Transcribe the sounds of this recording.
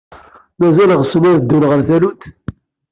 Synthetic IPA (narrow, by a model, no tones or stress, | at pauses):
mæzæləʁsənæɾd̪ːulʁəɾθælut̪